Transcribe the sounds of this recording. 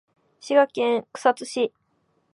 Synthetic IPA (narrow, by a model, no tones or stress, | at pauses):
ɕiɡakẽŋkɯ̟̥sat͡sɨɕi